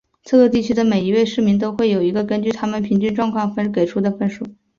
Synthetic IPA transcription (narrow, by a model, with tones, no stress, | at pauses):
t͡s̩ʰ˥˧kɤ˥˧t̪i˥˩t͡ɕʰy˥d̪ə˨me˨˩ɪi˧˥we˥˧ɪʂɻ̩˥˩mi˧˥ŋt̪̬o˥ʊxwe˥˩ɪjo˨˩ʊi˧˥ɡə˧kə˥nt͡ɕy˥˩t̪ʰa˥mə˨npʰi˧˥ŋt͡ɕy˥˧nʈ͡ʂwɑ˥˧ŋkʰwɑ˥˩ŋfə˥nke˨˩ɪʈ͡ʂʰu˥d̪ə˨fə˥nʂu˥˩